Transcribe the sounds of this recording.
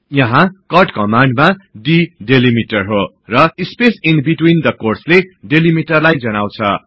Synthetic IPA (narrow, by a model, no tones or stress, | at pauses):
jʌɦãkʌrʈkʌmaɳɖmaɖiɖelimiʈʌrɦo | rʌispesinbiʈwind̪ʌkorsleɖelimiʈʌrlajd͡zʌnaw̃t͡sʰʌ